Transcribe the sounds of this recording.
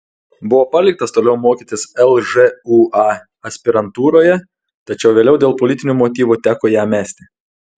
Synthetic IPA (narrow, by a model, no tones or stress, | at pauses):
bʊʋoːpɐlʲɪk̚t̪ɐst̪oːlʲɛʊmoːkʲiːt̪ʲɪsɛlˠʒɛuɑ | ɐsʲpʲɪɾɐnt̪uːɾoːjɛ | t̪ɐt͡ʃʲɛʊʋʲeːlʲɛʊd̪ʲeːlˠpɔlʲɪt̪ʲɪnʲuːmoːt̪ʲiːʋut̪ʲæːkoːjæːmʲæːsʲt̪ʲɪ